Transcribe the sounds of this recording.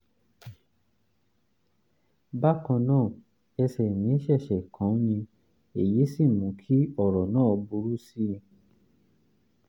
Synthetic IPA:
ba˦kã˧nãː˦˨ | ɛ˧sɛ˨nĩ˨˦ʃɛ˦˨ʃɛ˨kʰã˨˦jĩ˧ | e˨je˨˦si˦˨mũ˨˦kʰi˦ɔ˦˨ɾɔ˨nãː˦˨˧bu˧ɾu˦si˦˧

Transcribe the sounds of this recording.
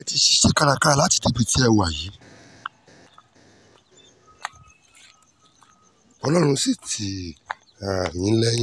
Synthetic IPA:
ɛ˧ti˧ʃi̥˦ʃe˦ka˦˧ɾa˧ka˦la˨˦ti̥˨˧de˨˦pi˨˧ti˦ɛ˧wu˨a˨ji˨˦ | ɔ˧lɔ˦ɾ̃ũ˧si˦˨tʰi˨ | a˨nĩ˨˦lɛ̃˦

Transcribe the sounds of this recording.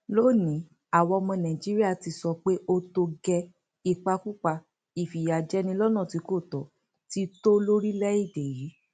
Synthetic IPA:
lo˦˨nĩ˨˦ | a˦˨wɔ˧mɔ̃˧nã˨d͡ʒi˦ɾi˦a˦˨ti˧˦sɔ˧k͡pe˦ʔo˧to˧ɡɛ˧ | i˨k͡pa˧ku˦k͡pa˧ | i˨fi˨ja˨d͡ʒɛ˦nĩ˧lɔ˦nã˦˨ti˨˧ko˦˨tɔ˨˦ | ti˦to˦lo˦ɾi˦lɛ˦i˦˨de˨ji˨˦

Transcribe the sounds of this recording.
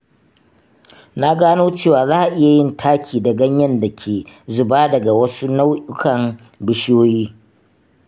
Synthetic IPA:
na˦ɡaː˦noː˦t͡ʃeː˦˨waː˨zaː˦ʔa˨ʔɪ˦ja˨jɪ˦ntʰaː˦kʲʰiː˨dɐ˨ɡɐ˦ɲjɐ˦nda˨kʲʰeː˨zʊ˨baː˦dɐ˨ɡa˨wɐ˦su˦na˦wʔʊ˦kɐ˨ŋ | bɪ˦ʃjoː˦jiː˦

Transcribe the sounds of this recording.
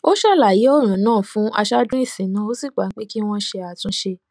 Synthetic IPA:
o˦ʃa˦˨la˨ji˨˦ɔ˦˨ɾ̃ã˨˦nãː˦˨fũ˦ʔa̰˧ʃa˦dũ˦i˦˨sĩ˨˦nã˨˦o˦si˦˨k͡pa˨˦k͡pe˦ki˦w̃ɔ̃˦ʃe˧a˨tũ˧˦ʃe˧

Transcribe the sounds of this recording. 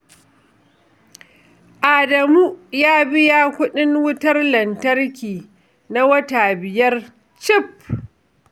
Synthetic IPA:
ʔaː˨dɐ˨muː˦jaː˦bɪ˦jaː˦kʷʊ˦ɗɪ˦ŋwʊ˦tɐ˦rlɐ˨ntɐ˦rkʲiː˨ | na˦wɐ˦taː˨bɪ˨jɐ˦r | t͡ʃɪ˦p̚

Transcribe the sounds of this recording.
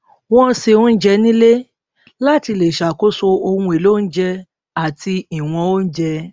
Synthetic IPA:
w̃ɔ̃˦˧se˧˨ũ˦n̩˦d͡ʒɛ˧nĩ˦le˦ | la˦ti˧˨le˨ʃa˨ko˦so˧o˧hũ˧e˨lo˦n̩˦d͡ʒɛ˧ | a˨ti˧i˨w̃ɔ̃˧o˦n̩˦d͡ʒɛ˧

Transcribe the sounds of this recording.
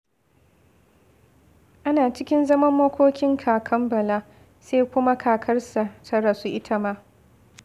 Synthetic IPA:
ʔa˦naː˨t͡ʃɪ˦kʲɪ˦nzɐ˦mɐ˦mːɐ˦kʷoː˦kʲɪ˦ŋkʰaː˨kʰɐ˦mbɐ˨laː˦ | se˦jkʷʊ˦ma˦kʰaː˨kʰɐ˦rsa˨tʰɐ˦ɽa˨su˦ʔɪ˦tʰa˦maː˦

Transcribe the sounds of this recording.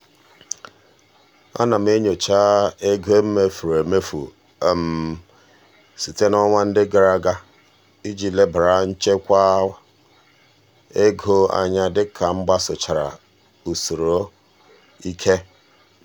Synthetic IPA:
a̰˦na˨m̩˦e˦ɲo˨t͡ʃa˦e˦ɡe˦m̩˦me˦fu˨ɾe˨me˦fṵ˨ | m̩˨ | si˨te˦nɔ˦ŋʷa˦n̩˦dɪ˦ɡa˨ɾa˦ɡa˦ | i˦d͡ʒi˨le˦bɾa˨n̩˦t͡ʃe˦kʷa˦wa˨ | e˦ɡo˦a̰˨ɲa˦dɪ˦kʰa˨ŋ͡m̩˦ɡ͡ba˦sʊ˨t͡ʃa˨ɾa̰˨ | u˨su˨ɾo˦ | i˦kʰe˦

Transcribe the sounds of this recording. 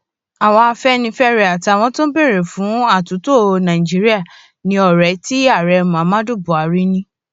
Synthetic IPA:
a˨w̃ɔ̃˧a˧fɛ˦nĩ˧˦fɛ˦ɾɛ˨a˨ti˧a˨w̃ɔ̃˧˦tõ˦be˦˨ɾe˨fũ˨˦a˦˨tu˨˦to˦˨nã˨ĩ˨d͡ʒi˨˦ɾi˦a˦˨ | nĩ˧ɔ˨ɾɛ˨˦ti˦a˦˨ɾɛ˧˦˧mũ˨a˨˦mã˦du˦˨bu˨a˨ɾi˦nĩ˦

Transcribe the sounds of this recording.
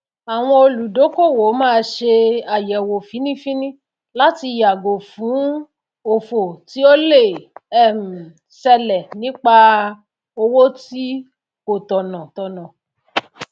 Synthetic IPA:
a˨w̃ɔ̃˧o˧lu˨do˨˦ko˦˨wo˨˦mãː˦˧˦ʃe˧a˨jɛ˨wo˨fĩ˨˦nĩ˦fĩ˦nĩ˦ | la˦ti˧ja˨ɡo˨fũ˨˦ | o˨fo˨ti˨˦o˦le˦˨ɛ˦˨m̩˨ | sɛ˧lɛ˨nĩ˦k͡pa˧ | o˧wo˦ti˦ | ko˨tɔ˨nã˨tɔ˧nã˨

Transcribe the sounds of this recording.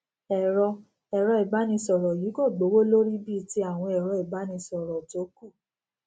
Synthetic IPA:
ɛ˨ɾɔ˧ | ɛ˨ɾɔ˧ɛ˨ba˨˦nĩ˧sɔ˨ɾɔ˨ji˨˦kɔ˦˨ɡ͡bo˨˦wo˦lo˦ɾi˦bi˦˨ti˧˦a˦˨w̃ɔ̃˧ɛ˨ɾɔ˧ɛ˨ba˨˦nĩ˧sɔ˨ɾɔ˨to˨˦ku˦˨

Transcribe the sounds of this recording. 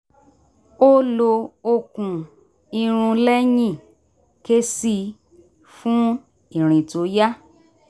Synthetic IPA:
o˦lo˧o˧kũ˧ | i˧ɾ̃ũ˧lɛ˦jĩ˦˨ | ke˦si˧ | fũ˦ | i˨ɾ̃ĩ˨to˨˦ja˦

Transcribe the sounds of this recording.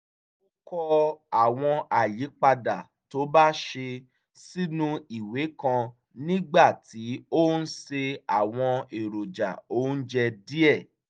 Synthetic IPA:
o˦kɔ˧a˨w̃ɔ̃˧a˨li˨˦k͡pa˧da˨ | to˨˦ba˦ʃe˧ | si˦nũ˦i˨we˨˦kã˧ | nĩ˦ɡ͡ba˦˨ti˨˦o˦n̩˦se˧a˨w̃ɔ̃˧e˨ɾo˨d͡ʒa̰˨o˦n̩˦d͡ʒɛ˧di˦ɛ˦˨

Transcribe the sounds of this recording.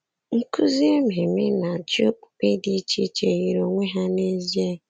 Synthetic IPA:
ŋ̩˦ku˦zi˦e˦me˨me˦na˨t͡ʃo˦pe˦di˦t͡ʃi˦t͡ʃe˨ɣi˨ɾo˨ŋʷe˦ɦa˦ne˦zi˦e˦

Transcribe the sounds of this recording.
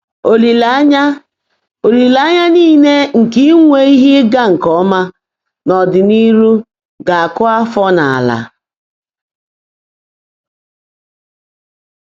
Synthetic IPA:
o˨li˨la˦ɲa˦ | o˨ɾi˨la˨˦ɲa˦niː˦˨ne˦ŋ̩˨ki˦ŋʷe˨i˦ɦi˦ɡa˦ŋ̩˨kɔ˦ma˦ | nɔ˨dɪ˨ni˦ɾu˦ | ɡa˨a˨kʊ˦a˦fɔ˦na˨a̰˨la̰˨

